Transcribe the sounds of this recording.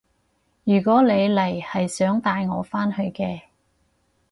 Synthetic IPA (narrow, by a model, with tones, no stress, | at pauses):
jyː˨˩kɔː˨˥nle˨˧jlɐ˨˩jhɐ˨jsœː˨˥ŋt̪aː˧jŋɔ̰ː˨˧faː˥nhɵ˧ɥkɛː˧